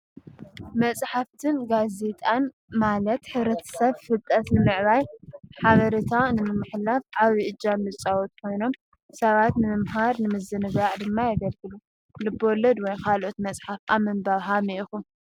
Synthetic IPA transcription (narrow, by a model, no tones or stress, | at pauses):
mɐt͡sʼħaft̪ʰɨnɡaze̞t̪ʼan | malɐt̪ħɨβɾɐt̪ʰɐ̥sɐβfɨt̪ʼːɐt̪nɨmɨʕβajħaβɐɾit̪ʰanɨmɨmɨħlafʔaβiʔɨd͡ʒːanːɨt͡sʼawot̪̚ʼkʰo̞jno̞m | sɐβat̪nɨmɨmɦaɾnɨmɨzɨnɨɡaʕd̪ɨmːajɐɡɐlɡɨlu | lɨbːolːɐd̪wɔjkʰalʔot̪mɐt͡sʼħafʔamɨmbaβɦamiʔixu